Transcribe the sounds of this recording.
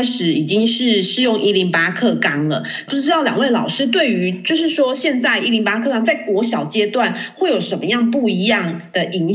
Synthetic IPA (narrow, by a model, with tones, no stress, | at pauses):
nʂɻ̩˧˥i˨˩t͡ɕi˦˥ŋʂɻ̩˥˩ʂɻ̩˥˧jo˥˨ŋʔi˥li˧˥ŋpa˥kʰɤ˥˩kɑ˥ŋlə̰˨pu˥˩ʈ͡ʂɻ̩˥t̪ɑ˥˩ʊljɑ̰˨˩ŋwe˥˩ɪlɑ˨˩ʊʂɻ̩˥t̪we˥˩ɪy˧˥t͡ɕjo˥˧ʊʂɻ̩˥˩ʂwɔ˥ɕjɛ˥˧nt͡sa˥˧ɪi˥˩li˧˥ŋpa˥kʰɤ˥˧˩kɑ˥ŋt͡sa˥˩ɪkwɔ˧˥ɕjɑ˨˩ʊt͡ɕjɛ˥t̪wa˥˩nxwe˥˩ɪjo˨˩ʊʂə˧˥nmə˧jɑ˥˧ŋpu˥˩i˧˥jɑ˥˩ŋd̪̥ə˨˩ʔi˧˥n